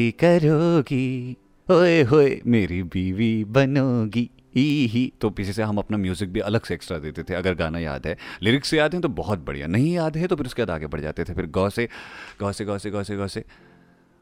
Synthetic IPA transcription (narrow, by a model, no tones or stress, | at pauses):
kɐɾoːɡi | ɦoeɦoːemeːɾibiːʋibɐnoːɡiː | iɦit̪opɪt͡ʃʰeseɦɐmɐpnamjuːzɪk̚bʱiʔɐləɡseeːksʈɾad̪eːt̪et̪ʰeɐɡəɾɡaːnaja̰ːd̪ɦɛːlɪɾɪksːejaːd̪ɦɛ̃t̪obɔɦɔt̪̚bɐ̰ɽḭja̰nɐɦĩjaːd̪ɦɛ̃t̪opʰɪɾʊskeaːd̪aːɡebɐɽd͡ʒa̰ːt̪et̪ʰefɪɾɡɔːseɡ̥ɔːseɡɔːseɡɔːseɡɔːse